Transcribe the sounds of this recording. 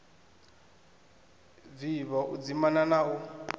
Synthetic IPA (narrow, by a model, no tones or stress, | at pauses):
viβɔʔud͡zimananau